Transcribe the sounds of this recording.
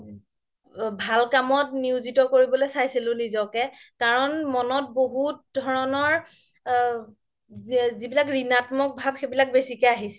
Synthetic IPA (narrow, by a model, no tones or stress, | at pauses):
bʱalkamɔtniʊzitɔkoɹibɔlojsajsilʊ̃nizɔkɛkaɹɔnmɔnɔt̚boɦut̚dʱɔɹɔnɔɹ | zibilakɹinatmɔk̚bʱabxebilak̚besikɛaɦisɛ̥